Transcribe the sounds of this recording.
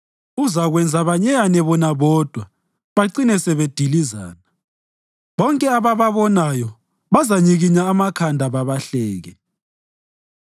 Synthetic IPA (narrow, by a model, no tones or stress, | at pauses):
uzaɣwɛnd͡zʱaβaɲɛjanɛβɔnaβɔːd̥ʱwa | βaǀinɛsɛβed̥ʱiliza̰ːna | βɔŋkʼɛaβaβaβɔnajɔ | βazaɲiɣiɲaːmakʰandʱaβaβaɬɛːɣɛ